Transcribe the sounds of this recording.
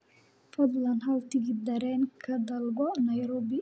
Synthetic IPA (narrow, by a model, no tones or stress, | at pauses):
fɔd̪lanɦawt̪iɡid̪ɐɾɛnkʰad̪alɡɔnajɾobi